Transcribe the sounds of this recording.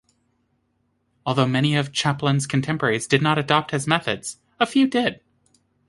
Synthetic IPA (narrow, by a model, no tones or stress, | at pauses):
ɔlˠðoʊmɛɾ̃iʌv̥t͡ʃʰæplə̃nz̥kʰn̩tʰɛ̃mpə˞ɛɹizdɨdⁿnəɾɨdɑp̚t̚hɨzmɛθɨdz̥ | əfjʉdɪd̥